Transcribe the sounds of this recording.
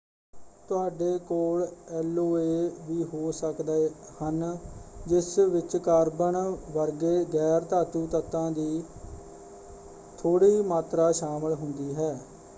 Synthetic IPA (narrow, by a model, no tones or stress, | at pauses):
t̪ʊaːɖeːkoːlɛːloːeːʋiːɦoːsəkd̪ahənd͡ʒɪsʋɪt͡ʃkaːɾbəɳʋəɾɡeːɡɛːɾt̪aːt̪uːt̪ət̪ãːd̪iː | t̪ʰoːɽiːmaːt̪ɾaːʃaːməlɦʊnd̪iːɦɛː